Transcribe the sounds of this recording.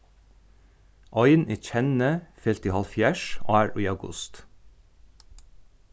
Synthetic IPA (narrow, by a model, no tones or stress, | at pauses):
ʔœʏnʔiːc͡çɛnəfɛlt̪iːhɑlfjæʃæːɹiːɑɡʊ̰st̪